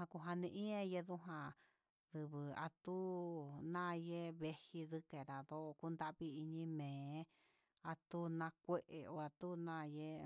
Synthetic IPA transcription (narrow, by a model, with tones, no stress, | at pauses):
ã˧ku˧ɦa˧nĩ˧ʔĩ˦ẽ˧je˧ðu˦ɦã˧ | ðɨ˧˨βɨ˨a̰˧t̪u˦nã˦˧je˦βe˧hi˧ðɨ˦ke˨ɾa˨ðo˦ʔku˦nd̪a˦ʔβi˧i˧ɲĩ˧mẽː˨˦ | a˧t̪u˦nã˧kʷe˦ʔe˨o˧a˧t̪u˦nã˦˧je˦